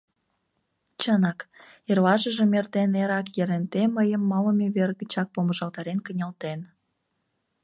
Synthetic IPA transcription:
t͡ɕənɑk | erlɑʒəʒemert̪eneɾɑkjeɾent̪eməjəmːɑləmeβerɣət͡ɕɑk̚poməʒɑlt̪ɑɾenkənʲɑlt̪en

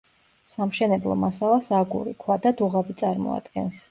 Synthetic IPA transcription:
samʃɛnɛblˠɔ̰masalˠasaɡṵɾikʰwad̪ad̪uʁabit̪sʼaɾmɔ̰a̰d̪ɡɛ̰ns

